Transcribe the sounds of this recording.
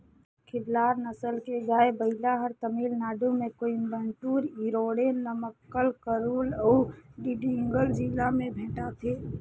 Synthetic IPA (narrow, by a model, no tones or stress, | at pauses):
kʰɪblaːɾnəsəlked͡ʒaːebəɦɪlaɦəɾt̪əmiːlnaːɖumẽkoimbənʈuːɾiɾoːɽenəməkːəlkəɾuːləɖiɖiŋɡəld͡ʒilamẽbʱẽːʈat̪ʰe